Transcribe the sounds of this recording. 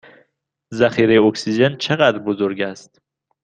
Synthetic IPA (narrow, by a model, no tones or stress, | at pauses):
zæxiːɾejeoksid͡ʒent͡ʃʰeɣæd̪ɾbozoɾɟæst̪